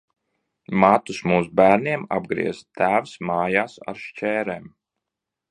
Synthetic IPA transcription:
mat̪usmuːs̬ubæːɾniɛma̰b̚ɡɾḭɛzt̪ʰæːwsmaːjaːsa̰ɾʃt͡ʃɛːɾɛːm

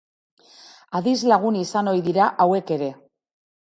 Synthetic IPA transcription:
aðizlaɣ̞unisano̞jðiɾaʔawe̞ke̞ɾe̞

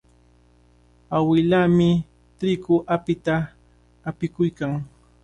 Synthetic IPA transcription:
awɪlaːmɪ | t̪ɾɪkʊʔapɪt̪aː | pɪkʊjkaŋ

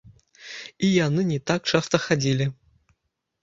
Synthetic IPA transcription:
ijanɨnʲɛt̪ak̚t͡ʂast̪ɐxad͡zʲilʲɪ

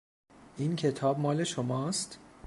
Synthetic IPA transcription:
ʔiːncʰe̞t̪ʰɒːb̚mɒːle̞ʃomɒːst̪

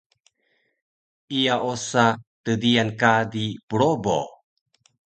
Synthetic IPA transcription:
ijaʔosatədiankadipəɾobo̰

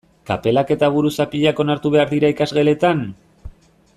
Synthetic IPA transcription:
ka̰pe̞lake̞t̪aβ̞uɾusapiʎako̞naɾt̪uβe̞aɾðiɾaikazɣe̞le̞t̪an

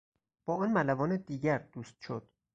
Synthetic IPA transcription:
b̥ɒːɒːnmælævɒːned̪iːɟæɾd̪̥uːst̪̚ʃod̪̥

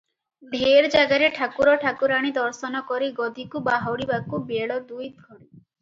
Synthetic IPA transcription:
d̪ʱeɾd͡ʒaɡaɾeʈʰakuɾɔʈʰakuɾaɽ̃id̪ɔɾsɔnɔkɔɾiɡɔd̪ikubaɦɔwɽibakubeɭɔd̪ujt̪ɡʰʱɔɽi

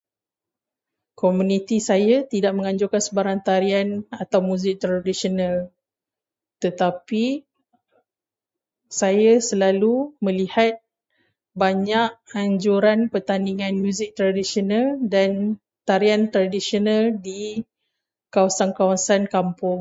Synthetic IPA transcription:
komunit̪isajat̪idaʔ̚mə̃ŋãɲd͡ʒʊrkansəbaɾaŋt̪aɾianat̪awmũzɪk̚t̪ɾadisional | t̪ət̪api | sajasəlalumə̃lihat̪̚ | baɲaʔaɲd͡ʒuɾanpərt̪andiŋãnmjuzɪk̚t̪ɾadisionaldan | t̪aɾiant̪ɾadisionaldi | kawasankawasankampʊŋ

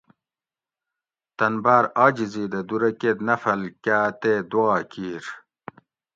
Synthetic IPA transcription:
t̪ɐnbaːɾaːd͡ʑiziːd̪ɐd̪uɾɐkeːt̪nɐfɐlkaːt̪eːd̪uaːkiːɾ

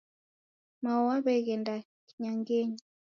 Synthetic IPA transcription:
maɔwaβɛɣɛnda | kiɲaŋɡeɲi

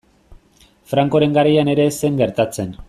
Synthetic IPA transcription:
fɾaŋko̞ɾe̞ŋɡaɾajane̞ɾe̞se̞ŋɡe̞ɾt̪at͡se̞n

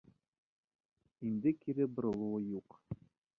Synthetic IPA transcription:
ind̪ɘkiɾɘbɤ̆ɾŏlˠɤ̆wɤjuq

